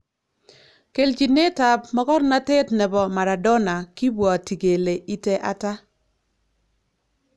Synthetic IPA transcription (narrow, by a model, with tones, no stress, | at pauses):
ke˨ld͡ʒi˨ne˦ta˨pmɔ˦kɔ˦ɾna˦te˦tnɛ˨bɔ˨ma˨ɾa˨dɔ˦na˨ki˦bwɔ˨ti˨ɡe˨le˨i˦tɛ˦ʔa˦ta˦